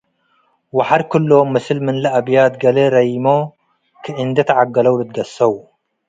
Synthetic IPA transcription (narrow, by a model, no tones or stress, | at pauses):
waħaɾkʰɨlːomɨsɨlmɨnlɐʔabjaːt̪ɡɐlɐɾɐjmo | kʰɨʔɨnd̪ɐt̪ʰɐʕaɡːɐlɐwlɨt̪̚ɡɐsɐw